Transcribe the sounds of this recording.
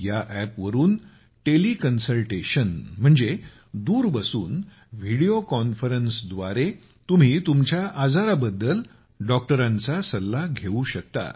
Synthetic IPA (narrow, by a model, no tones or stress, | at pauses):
jaʔæpʋəɾuːn | ʈelikənsəlʈeɕənm̤əɳd͡ze | d̪uːɾbəsuːn | ʋiɽiokɔnfəɾənsd̪ʋaɾe | t̪um̤iːt̪umt͡ɕjaʔad͡zaɾabəd̪ːəl | ɖɔk̚ʈəɾãnt͡sasəlːaɡʱeuɕək̚t̪a̰